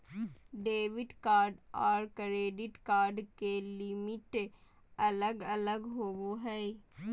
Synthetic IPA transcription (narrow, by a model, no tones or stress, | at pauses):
ɖeːʋɪɖkaːɾɖɔːɾkɾeːɖɪʈkaːɾɖkelɪmɪʈ | ɐləɡɐləɡɦoːʋoɦɛː